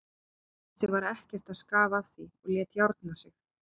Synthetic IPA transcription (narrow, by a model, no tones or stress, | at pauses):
sʏvaɾɛhcɛr̥t̪aðskaːvaːv̥siɔɣljɛːt̪jawɾt̪nḁsɪx